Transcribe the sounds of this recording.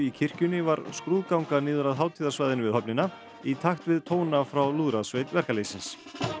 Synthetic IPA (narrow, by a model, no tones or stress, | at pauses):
icʰɪr̥cʏnɪvaɾ̥skɾuːðkawŋkaniːðʏɾaðɦaːwt̪ʰiːðasvajðɪnɪvɪðhœpnɪna | it̪ʰaxt̪vɪðt̪ʰoːwnafɾawluːðɾasvejt̪vɛr̥kaleːjsɪns